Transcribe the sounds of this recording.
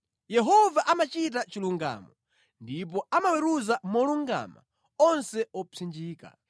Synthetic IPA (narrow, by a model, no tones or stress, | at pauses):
jɛɦɔvaʔamat͡ʃit̬at͡ʃiluŋɡa̰mɔ | ndip̬ɔamawɛɾuzamɔluŋɡa̰ma̰ | ɔnsɛɔpʰind͡ʒiːka̰